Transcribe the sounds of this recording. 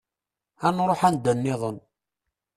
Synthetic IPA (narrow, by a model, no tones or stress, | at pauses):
ænɾˤoħænd̪ənːɪðˤən